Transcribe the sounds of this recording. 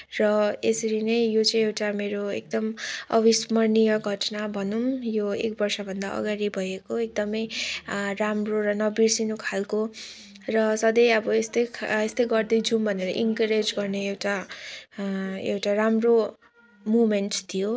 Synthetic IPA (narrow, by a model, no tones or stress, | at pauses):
rʌesʌɾinʌjjot͡sʌj̃ewʈameɾoḛk̚d̪ʌmʌ̰bismʌrnijʌɡʱʌʈnabʱʌnumjoek̚bʌrsʌbʱʌnd̪aʔʌ̰ɡaɾibʱʌjekoek̚d̪ʌmʌjramroɾʌnʌbirsinokʰalko | rʌsʌd̪ʌjʌbʌest̪ʌjkʰest̪ʌjɡʌrd̪ʌjd͡zumbʱʌneɾʌ̰ʔiŋkʌɾed͡zɡʌrneewʈa | ḛwʈaramro | mumenʈt̪ʰijo